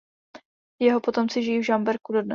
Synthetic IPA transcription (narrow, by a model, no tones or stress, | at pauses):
jɛɦo̞po̞t̪o̞mt͡sɪʒɪjiːvʒambɛɾkudo̞dnɛ